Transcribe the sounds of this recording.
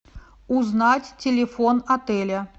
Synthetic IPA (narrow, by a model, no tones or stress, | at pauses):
uznatʲtʲɪlʲɪfonɐt̪ɛlʲɐ